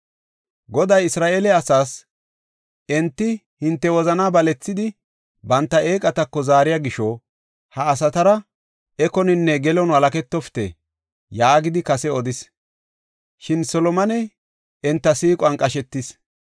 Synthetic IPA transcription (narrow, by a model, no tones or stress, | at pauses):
ɡɔd̪ɐjɪsɾaːʔeːlɛɐsaːs | ʔɛnt̪ːɪ | hɪnt̪ːɛwɔzɐnaːbɐlɛt͡sːɪd̪ɪ | bɐnt̪ːɐʔeːkʼɐt̪ɐkːɔzaːɾɪjaːɡɪʃɔ | hɐːs̬ɐt̪ɐɾɐ | ɛkɔnɪnːɛɡɛlɔnwɐlɐkɛt̪ːɔft̪ɛ̰ | jaːɡɪd̪ɪkɐsɛɔd̪ɪs | ʃɪnsɔlɔmɐnɛ | ɛnt̪ːɐsiːkʼɔɐŋkʼɐʃɛt̪ːɪs